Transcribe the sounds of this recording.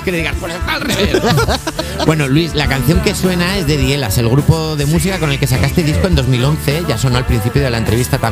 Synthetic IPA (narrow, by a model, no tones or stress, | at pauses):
keeðiɣaspoɾatalree | we̞no̞lwislakanθjoŋke̞swe̞nae̞zðe̞ðie̞la̰se̞lɣɾupo̞ðe̞musikakone̞lke̞sakast̪e̞ðisko̞e̞nd̪o̞zmilo̞nθe̞ʝaso̞no̞alpɾin̟θipjo̞ð̞e̞laent̪ɾe̞βist̪at̪a